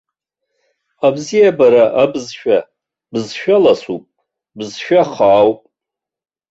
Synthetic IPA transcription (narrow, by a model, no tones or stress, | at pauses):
abzijabaɾaʔabɨzʃᶣa | bzʃᶣalasupʼ | bɨzʃᶣaχaːwpʼ